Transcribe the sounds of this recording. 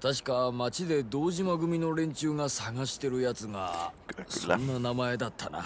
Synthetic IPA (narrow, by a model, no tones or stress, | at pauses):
t̪aɕ̬i̥kamat͡ɕid̪e̞d̪o̞ːʑimaɡɯ̟mʲino̞ɾẽ̞ɲ̟t͡ɕɨːŋasaɡaɕi̥t̪e̞ɾɯ̟jat͡sɨŋa̰sõnːanamae̞d̪at̪ʰːana̰